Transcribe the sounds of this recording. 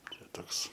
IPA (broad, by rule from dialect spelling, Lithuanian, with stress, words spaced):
ˈt͡ʃʲɛ ˈtoːks